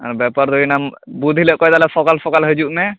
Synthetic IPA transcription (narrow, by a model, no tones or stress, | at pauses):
a̰ɾbɛpaɾd̪ujnambud̪ʱiləʔkɔjd̪alɛsɔkalsʰɔkalɦəd͡ʒuʔnɛ